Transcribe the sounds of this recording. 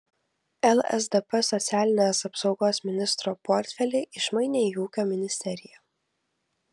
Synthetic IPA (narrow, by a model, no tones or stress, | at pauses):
ɛlˠɛ̰zd̪ɛpɛsɔt̪sʲæːlʲɪnʲeːsɐpsɒʊɡoːsmʲɪnʲɪst̪ɾoːpɔɾʲt̪ʲfʲɛlʲɛɪʔɪʃmɐɪnʲeːjuːkʲoːmʲɪnʲɪsʲt̪ʲɛɾʲɪjɛ